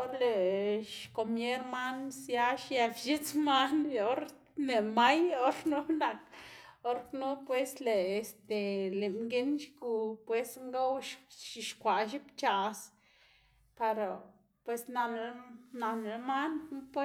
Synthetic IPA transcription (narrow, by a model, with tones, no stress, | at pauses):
o˦ɾle˨ʃko˨mje˦ɾma˦nsja˦ʃje˧fʃe˦t͡sma˦n˧o˦ɾ | le˨ma˦jo˦ɾnu˦na˨ko˦ɾnu˦pwe˦sleː˨st̪e˨le˨mɡe˦nʃɡu˧pwe˦sŋɡa˦wʃʃi˨ʃkʷa˨ʃ̬i˦pt͡ʃa˨s | pa˧ɾa˨ | pwe˧sna˧nɾe˧na˧nɾe˧ma˦nnu˦pwe˦